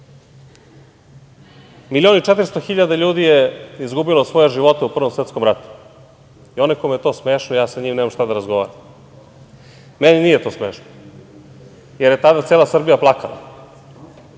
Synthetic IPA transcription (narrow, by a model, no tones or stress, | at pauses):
milio̞niʈ͡ʂet̪ɾst̪oxiʎad̪aʎuːd̪ijeizɡubilo̞sʋo̞jeʒiʋo̞t̪eupr̩ʋomsʋet̪sko̞mɾat̪u̥ | io̞nekojmejet̪oːsmeːʃnoijaːsaɲiːmneːmamʃt̪ad̪aɾazɡo̞ʋa̰ːɾam | meninijet̪o̞ːsmeːʃno̥ | jeɾjet̪ad̪at̪seːlˠasr̩bijaplˠakala̰